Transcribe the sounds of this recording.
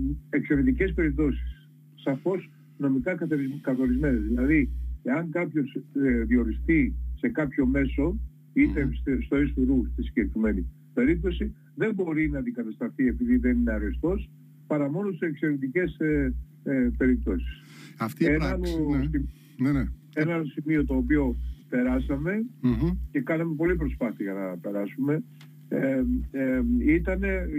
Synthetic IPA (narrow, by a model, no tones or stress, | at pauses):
e̞ksoɾit̪ice̞spe̞ɾip̚t̪o̞si̥sː | ɐfo̞s | no̞mikɐkɐkɐθo̞ɾizme̞nezðilɐðieɐŋkɐpço̞sðio̞ɾist̪ise̞kɐpço̞me̞so̞ | it̪esst̪o̞esfuɾust̪isiɲɟekɾime̞ni | pe̞ɾip̚t̪o̞si | ðe̞mbo̞ɾinɐnd̪ikɐt̪ɐst̪ɐθie̞piðiðe̞nine̞ɐɾest̪o̞s | pɐɾɐmo̞nost̪isekse̞ɾet̪ice̞s | pe̞ɾip̚t̪o̞si̥s | ɐft̪ienɐnsi | nn | e̞nɐsimio̞t̪o̞ːpio̞pe̞ɾɐsɐme̞ce̞kɐnɐme̞po̞lip̬ɾo̞spɐθiɐʝɐnɐpe̞ɾɐsume̞ | e | it̪ɐne̞